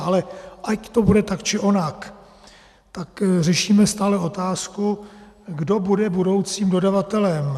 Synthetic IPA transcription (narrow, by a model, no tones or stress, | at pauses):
alɛʔact̪o̞budɛt̪akt͡ʃɪʔo̞nak | t̪akrɛʃiːmɛst̪aːlɛo̞t̪aːsku | ɡdo̞budɛbudo̞wt͡siːmdo̞davat̪ɛlɛm